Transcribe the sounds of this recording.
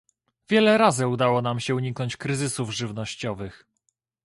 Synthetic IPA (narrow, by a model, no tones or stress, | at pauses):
vʲjɛlɛɾazɘud̪awɔnamɕɛuɲiknɔɲt͡ɕkɾɘzɘsuvʐɘvnɔɕt͡ɕɔvɘx